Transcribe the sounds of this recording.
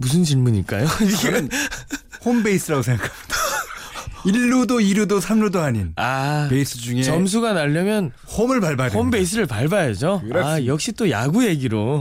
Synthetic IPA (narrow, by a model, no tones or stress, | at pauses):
mus̬ʰɯnt͡ɕiɭmuɲḭk͈a̰joɡnhombeis͈ɯɾaɡosʰeŋɡakʰata | iɭːudoiɾudosʰamɾudohaɲinaeis͈ʰɯd͡ʑuŋet͡ɕʌms̬ʰuɡanaʎːʌmjʌn | homɯɭpaɭbaombe̞is̬͈ʰɯɾɯɭpaɭbajʌd͡ʑojʌk̚ɕ͈it͈oja̰ɡuje̞ɡiɾo